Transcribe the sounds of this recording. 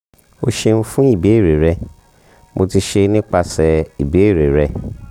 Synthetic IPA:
o˧ʃe˧nũ˧fũ˦i˦˨be˨˦i˦˨ɾe˨ɾɛ˧ | mʔo˧ti˧ʃe˧nĩ˦k͡pa˧sɛ˨i˨be˨˦i˦˨ɾe˨ɾɛ˧

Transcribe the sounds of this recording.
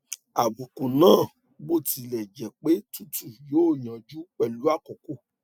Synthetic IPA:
a˨bu˨kũ˨nãː˦˨ | bo˦˨ti˧lɛ˨d͡ʒɛ˨k͡pe˨˦tu˦tu˦˨jo˨˦˨j̃ã˨d͡ʒu˦k͡pɛ˦˨lu˨˦a˦˨kɔ˨ko˦˨

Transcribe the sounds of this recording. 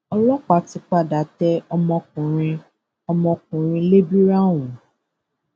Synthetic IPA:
ɔ˦lɔ˦k͡pa˨˦ti˧k͡pa˦˨da˨tɛ˦ɔ˦mɔ̃˧k̚ũ˨ɾĩ˧˦ | ɔ˦mɔ̃˧k̚ũ˨ɾ̃ĩ˧le˦bi˦ɾa˦wũ˨

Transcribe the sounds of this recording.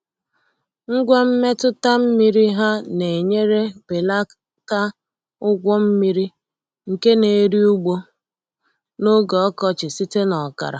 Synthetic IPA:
ŋ̩˦ɡʷa˦m̩˦me˦tʊ˦ta˦m̩˦mi˦ɾi˦ɦa˦ne˨ɲe˦ɾe˦b̥e˨la˦ | ta˦ | ʊ˦ɡʷɔ˦m̩˦mi˦ɾi˦ | ŋ̩˨ke˦ne˨e˦ɾi˦u˦ɡ͡bo˦ | no˦ɡɔ˨ɔ˦kɔ˨t͡ʃɪ˨si˦te˦nɔ˨ka̰˨ɾa̰˨

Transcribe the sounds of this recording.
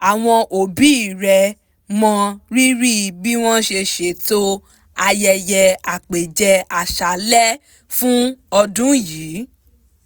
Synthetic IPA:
a˨w̃ɔ̃˧ʔo˨bi˨˦i˦˨ɾɛ˧ | mɔ̃˧ɾi˦ɾi˦˨bi˦w̃ɔ̃˦ʃe˧ʃe˧˨to˦ | a˧jɛ˧jɛ˧a˨k͡pe˨d͡ʒɛ˧a˨ʃa˨lɛ˦ | fũ˦ɔ˧dũ˦jiː˨˦

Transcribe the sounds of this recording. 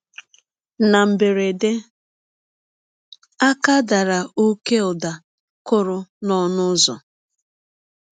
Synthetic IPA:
na˨m̩˨be˨ɾe˨de˦ | a˦ka˦da˨ɾa˨u˦ke˦ɔ˨da˨ | kʊ˦ɾʊ˦nɔ˦nʊ˦zɔ̰˨

